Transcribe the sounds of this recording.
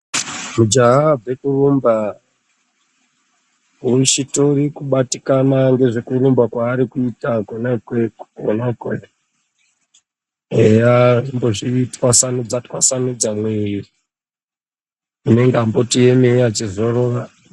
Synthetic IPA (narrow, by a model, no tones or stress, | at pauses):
mud͡ʒaɦavekurumba | uit͡ʃito̞ɾikuɓatikanaŋɡe̞ʐekurumbakwaːɾikuitakonakekonake | ejaʐimbo̞ʐiitwasanud͡zatkwasanud͡zamweiri | une̞ŋɡeambotijemeat͡ʃizoroʋa